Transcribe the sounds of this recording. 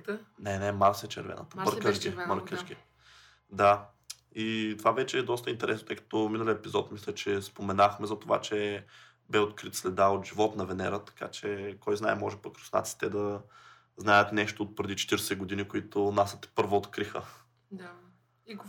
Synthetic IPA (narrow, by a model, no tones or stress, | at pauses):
nɛnɛmaɾsɛt͡ʃɛ̰ɾvɛ̰nə̰t̪əmməɾkəʃɡiməɾkəʃɡʲi | d̪a | it̪ovavɛt͡ʃɛːd̪ɔst̪əint̪ɛɾɛsnot̪ɤjkɐ̥t̪ominəliəɛpizɔt̪mislʲət͡ʃɛspomɛnaxmɛzɐt̪ova̰t͡ʃɛ | bɛot̪kɾit̪slɛd̪aot̪ʒivɔt̪nɐvɛnɛ̰ɾət̪ɐ̥ka̰t͡ʃɛkɔjznaɛmɔʒɛpokɾo̥sna̰t̪si̥t̪ɛd̪ɐ | znajət̪nɛʃt̪oːt̪̚pɾɛd̪it͡ʃɛ̥t̪iɾsɛɡod̪inikoit̪ʊnasət̪ɛ̥pɤɾvoːt̪kɾixə̰ | d̪